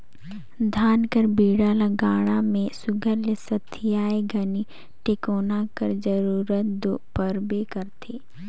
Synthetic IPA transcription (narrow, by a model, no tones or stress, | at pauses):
d̪ʱaːnkəɾbiːɽaːlaɡaːɽ̃amẽsʊɡʱəɾlesɐt̪ʰːɪjaːeɡʱɐni | ʈekoːnakɐɾd͡ʒəɾuːɾət̪̚d̪oːpəɾbekəɾt̪ʰeː